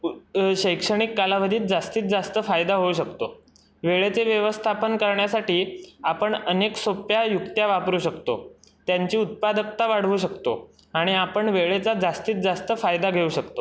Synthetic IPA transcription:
ɕəjkʂəɽ̃ikːalaʋəd̪ʱiːt̪̚d͡zast̪iːt̪̚d͡zast̪əfajd̪aɦouɕəkt̪o | ʋeɭet͡seʋjəʋəst̪ʰapənkəɾɳjasaʈiːapəɳəneksopjajukt̪jaʋapɾuːɕəkt̪o̰ | t̪jaɲt͡ɕiːut̪̚pad̪ək̚t̪aʋaɽ̤ʋuːɕəkt̪o̰ | aɽ̃iapəɳʋeɭet͡sad͡zast̪iːt̪̚d͡zast̪əfajd̪aɡʱeuːɕəkt̪o

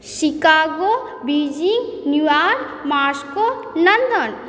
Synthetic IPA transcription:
sikaːɡo | bid͡ʒiŋnjuaɾ | maːsko | nɐnd̪ən

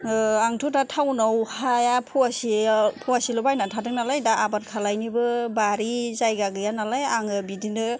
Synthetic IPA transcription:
aŋtʰutatʰawnawhajapʰuasipʰuwasilɯbajnatʰadɯknalajdaːbaɾkʰalajnibɯbaɾizajɡaɡɯjanalajaŋɯbidinɯ

